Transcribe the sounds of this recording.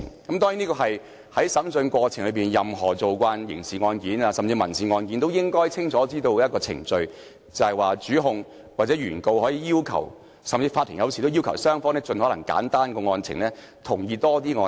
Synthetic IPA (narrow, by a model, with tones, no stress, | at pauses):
kɐ˨˥mt̪ɔː˥ŋji˨˥niː˥kɔː˧ɦɐ˨j | hɐ˨˥jsɐ˨˥msɵ˧nkʷɔː˧t͡sʰɪ˨˩ŋlɵ˨˧ɥpiː˨˩njɐ˨mɦɔː˨˩t͡so˨wkʷaː˧njɪ̰˨˩ŋsiː˨˩ŋɔː˧nkiː˨˥naː˧sɐ˨mt͡siː˧mɐ˨˩nsiː˨˧ŋɔː˧nkiː˨˥nt̪o˥wjɪ˥ŋkɔː˥jt͡sʰɪ˥ŋt͡sʰɔː˨˥t͡siː˥t̪o˧wɐt̚kɔː˧t͡sʰɪ̰˨˩ŋt͡sɵ˧ɥ | t͡sɐ˨hɐ˨jwaː˨t͡syː˨˥ɦʊ˨˧ŋ | waː˨t̚t͡sɛ˨˥ɥyː˨˩nko˧whɔː˨˥jiː˧jiː˥wkʰɐ̰˨˩w | sɐ˨mt͡siː˧faː˧t̪ʰːi˨˩ŋjɐ˧wsʰi˨˩t̪wjiː˥wkʰɐ˨˩wsœː˥ŋfɔː˧˥ŋnɛː˥t͡sɵ˧nhɔ˨˥lɐ˨˩ŋka̰ː˨˥nt̪aː˥nkɔː˧ŋɔː˧nt͡sʰɪ̰˨˩ŋlɛː˥ | t̪ʰʊ˨˩ŋjiː˧t̪ɔː˥t̪iː˥ŋɔː˧